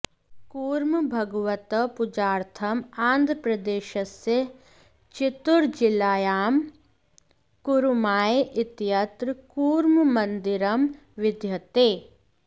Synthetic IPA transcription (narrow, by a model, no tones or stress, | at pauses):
kuːɾmbʱɐɡʋət̪əpʊd͡ʒaːɾt̪ʰɐmaːnd̪ʱɾəpɾɐd̪eːʃəse | t͡ʃɪt̪ʊɾd͡ʒɪlaːjaːm | kuɾmaːeʔɪt̪jɐt̪ɾəkuːɾmmɐnd̪ɪɾɐm | ʋɪd̪ʱjɐt̪eː